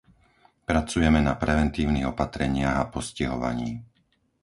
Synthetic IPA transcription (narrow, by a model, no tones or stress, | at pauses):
pɾat͡sujɛmɛnapɾɛʋɛnt̪iːʊniɣɔpat̪ɾɛɲɪaɣapɔsciɦɔʋa̰ɲiː